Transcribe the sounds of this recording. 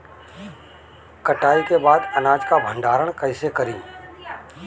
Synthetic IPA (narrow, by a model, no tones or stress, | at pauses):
kəʈaːikebaːd̪ənaːd͡ʒkabʱə̃ɳɖaːɾəɽ̃kəɪsekəɾĩː